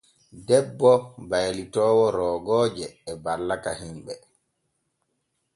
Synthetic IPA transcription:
dɛbːɔbajlitɔːwɔɾɔːɡɔːd͡ʒɛːbalːakahimɓɛ

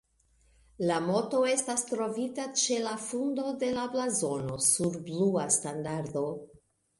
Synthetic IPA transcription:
lamo̞to̞e̞stastɾo̞vitat͡ʃe̞lafundo̞de̞lablazo̞no̞suɾbluastandaɾdo̞

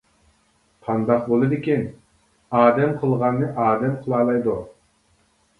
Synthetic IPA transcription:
pʰɑnd̪ɑqbolˠɨd̪ɪkʲin | ɑːd̪ɛmqʰəlˠʁɑnːɨʔɑːd̪ɛmqʰəlˠɑːlˠɑjd̪u

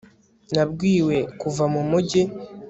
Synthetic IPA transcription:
nabɡwiːwe̞kuvamumuɟe

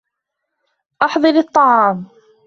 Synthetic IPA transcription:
ʔɑħðˤɨɾɨt̪ˤːɑʕɑːm

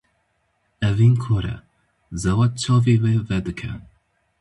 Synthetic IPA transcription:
ɛviːnkʰoːɾɛ̰ | zɛwɑt̪̚t͡ʃʰɑːviːweːvɛd̪ɨkʰɛ̰

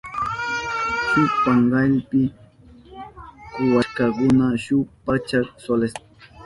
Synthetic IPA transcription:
sʊpaŋɢalpɪ | kʊwaʃkɑkʊnaʃʊpat͡ʃaɾsoles

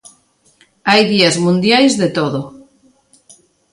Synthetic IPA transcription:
ajðiazmũnd̪jajzðet̪oðo

